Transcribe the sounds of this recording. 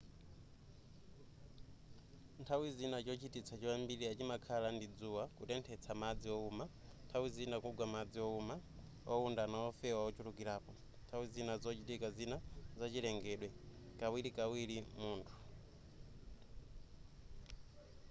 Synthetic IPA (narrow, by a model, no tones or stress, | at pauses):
ntʰawizinat͡ʃɔt͡ʃitit͡sʰat͡ʃiwambiɾiat͡ʃimakʰalandid͡zuwakutɛntʰɛt͡sʰamad͡ziɔumantʰawizinakuɡwamad͡ziɔuma | ɔundanaɔfɛwaɔt͡ʃuɾukiɾaːpɔ | ntʰawizinazɔt͡ʃitikazinazat͡ʃilɛŋɡɛɗwɛkawiɾikawiɾimuːntʰu̥